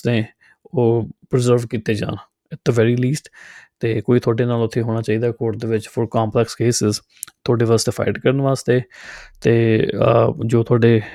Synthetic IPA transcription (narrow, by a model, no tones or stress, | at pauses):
t̪eː | oːpɾɪzəɾʋkiːt̪eːd͡ʒã̰ːn | ɪt̪ːəʋɛːɾiːliːsʈt̪eːkoːiːt̪ʰʊaːɖeːnaːlʊt̪ʰːeːɦoːɽ̃aːt͡ʃaːiːd̪aːkoːɾʈ̚d̪eːʋɪt͡ʃpʰʊɾkaːmplɛkskeːsɪz | t̪ʰʊoːɖeːʋaːst̪eːfʰa̰ɪʈkəɾənʋaːst̪eːt̪eː | d͡ʒoːt̪ʰʊaːɖeː